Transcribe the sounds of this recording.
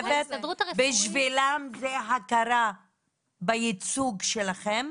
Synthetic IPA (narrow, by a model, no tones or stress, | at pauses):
vet̪biʃvilamzeɦakaɾa | bajit͡suɡʃelaχem